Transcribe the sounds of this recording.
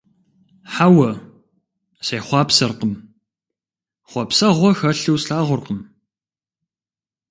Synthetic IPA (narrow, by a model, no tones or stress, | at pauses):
ħawɐ | seːχʷɑːpsɐrqəm | χʷɑpsɐʁʷɔxɐɬɨwsɬaːʁʷʊrqəm